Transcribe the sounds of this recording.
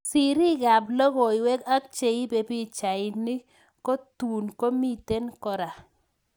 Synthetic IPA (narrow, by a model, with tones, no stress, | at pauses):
si˨ɾi˦ɡa˨blɔ˦ɣo˨ɪ˨wɛ˦ka˦k̚t͡ʃe˨i˦be˨pi˦t͡ʃa˨ɪ˨ni˦ | ko˦tu˨nko˦mi˦te˦nkɔ˦ɾa˨